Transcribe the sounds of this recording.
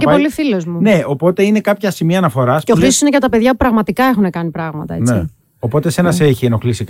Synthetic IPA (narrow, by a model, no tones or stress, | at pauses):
cepo̞lifilozmune̞o̞po̞t̪e̞ine̞kɐpçɐsimiɐːnɐfo̞ɾɐseo̞xɾisosine̞ʝɐt̪ɐpe̞ðʝɐpupɾɐɣmɐt̪ikɐe̞xune̞kɐnipɾɐɣmɐt̪ɐent͡sei | o̞po̞t̪e̞se̞nɐseçieno̞xlisik